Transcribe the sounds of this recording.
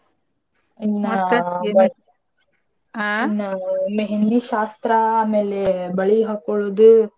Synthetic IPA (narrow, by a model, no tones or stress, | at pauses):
inːɐ | nɐmeɦend̪iʃaːst̪ɾɐːme̞ːlebɐɭiɦaːkoɭoːd̪u